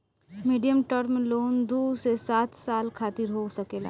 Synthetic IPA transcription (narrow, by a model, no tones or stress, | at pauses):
miːɖijəmʈɔɾmẽloːnd̪uːsesaːt̪saːlkʰaːt̪ɪɾɦosɐkela̰